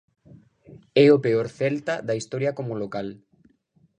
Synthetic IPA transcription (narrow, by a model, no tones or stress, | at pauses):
ɛopeoɾθɛlt̪ad̪ɐist̪ɔɾjɐkomolokal